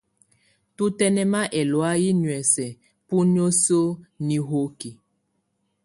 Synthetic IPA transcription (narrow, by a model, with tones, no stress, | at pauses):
tu˦tɛ˦nɛ˦ma˦ʔɛ˨lwa˦ji˦nwɛ˨sɛ˨ | pu˦n˦o˦so˦ni˨ɦo˦ki˨